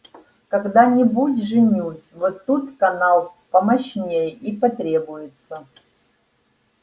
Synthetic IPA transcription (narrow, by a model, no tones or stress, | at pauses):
kɐɡd̪anʲɪbutʲʐɨnʲusʲvot̪ːut̪kɐnalˠpɐmɐɕnʲejipɐt̪ɾʲe̞bʊjɪt̪sə